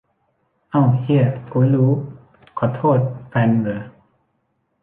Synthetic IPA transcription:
ʔa˧˩whi˧˩ə˩ku˧˦luː˦˥ | kʰɔ˨˩˦t̪ʰoː˥˩t̪̚fɛ˧nbɯː˨˦

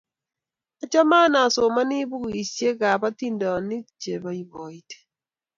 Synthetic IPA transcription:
a˨t͡ʃa˦ma˦na˨so˨ma˦ni˦bu˦ku˨i˨sje˦ka˨ba˦ti˦ndɔ˨ni˦d͡ʒe˨ba˨i˨bɔ˨i˦te̥˨

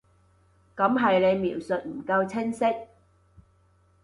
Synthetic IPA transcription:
kɐ˨˥mɦɐ˨jne˨˧jmiː˨˩wsɵ˨t̚m̩˨˩kɐ˧wt͡sʰɪ˥ŋsɪ˥k̚

